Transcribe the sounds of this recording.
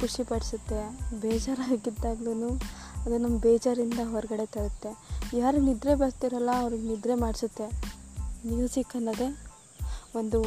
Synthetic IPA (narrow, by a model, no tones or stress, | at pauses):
kuʂipɐɽisut̪ːe̞beːd͡ʒaːɾaːɡid̪ːaːɡluːnuː | ɐd̪unɐmːɐbeːd͡ʒaːɾind̪ɐɦɔɾɐɡɐɽe̞t̪ɐɭɐt̪ːe̞jaːɾunid̪ɾebeːst̪iɾɐlːɐːʋɾiɡenid̪ɾe̞maːɽisut̪ːe̞ | niusikːɐnːɐd̪e̞ | ond̪u